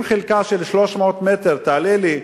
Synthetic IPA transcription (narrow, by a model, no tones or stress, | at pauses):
mχelkaʃelʃlo̞ʃmot̪met̪eʁt̪aːleli